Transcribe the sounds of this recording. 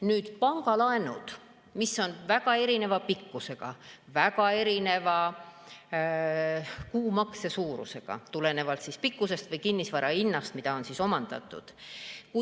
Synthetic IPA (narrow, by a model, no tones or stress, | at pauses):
nyːd̪̥pɑŋɡ̥ɑlɑenud̪̥ | misːo̞nvæɡ̥ɑe̞ɾine̞vɑpikːuse̞ɡ̥ɑvæɡɑe̞ɾine̞vɑ | kuːmɑkse̞suːɾṵse̞ɡ̥ɑ̰t̪ule̞ne̞vɑlt̪sispikːˑuse̞st̪vɤjkinːisvɑɾɑinːɑst̪mid̪̥ɑo̞nsiso̞mɑnd̪̥ɑ̰t̪ːˑṵd̪̥ku